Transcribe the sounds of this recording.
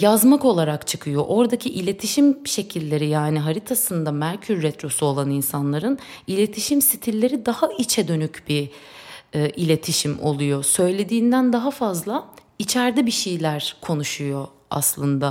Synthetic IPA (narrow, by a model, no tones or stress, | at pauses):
jazmako̞lˠaɾakt͡ʃʰɯ̥kʰɯjo̞ʔo̞ɾd̪acʰiʔilʲe̞t̪ʰiʃimʃe̞cʰilʲːe̞ɾijaːniɦaɾit̪ʰasɯnd̪amæɾcʰyɾːɛt̪ɾo̞suolˠaninsanlˠaɾɯnilʲe̞t̪ʰiʃimsit̪ʰilʲːe̞ɾid̪ahait͡ʃʰɛd̪ø̞nycb̥i | ʔilʲe̞t̪ʰiʃimo̞̰lˠujo̞sø̞jlʲe̞d̪iːnd̪ænd̪aɦafazlˠait͡ʃʰæɾd̪ɛbiʃejlʲæɾkʰo̞nuʃujo̞ | a̰slˠɯnd̪a